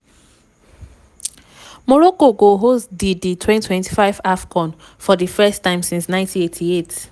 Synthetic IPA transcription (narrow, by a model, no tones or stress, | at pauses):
mɔɹɔkoɡoɦosdiditʰwɛ̃ntʰwɛ̃ntʰi̥faɪvafkʰɔ̃n | fɔdifɛstãɪ̃msĩnsnãɪ̃ntʰĩnetʰiet